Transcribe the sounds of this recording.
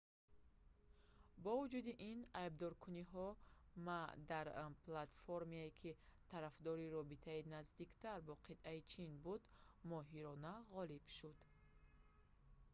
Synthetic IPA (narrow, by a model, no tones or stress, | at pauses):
bɔvud͡ʒud̪iʔinajb̚d̪ɔɾkʰuniɦɔmad̪aɾplat̪foɾmiaekʰit̪ʰaɾafd̪ɔɾiɾɔbit̪ʰainazd̪ikt̪ʰaɾbɔqʰit̪ʔait͡ʃʰinbud̪mɔɦiɾɔnaʁɔlib̥ʃud̪̥